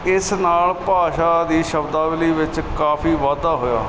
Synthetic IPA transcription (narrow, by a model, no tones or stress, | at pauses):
ɪsnaːlpaːʃaːd̪iːʃəbd̪aːʋɪliːʋɪt͡ʃkaːpʰiːʋaːd̪aːɦoːja̰ː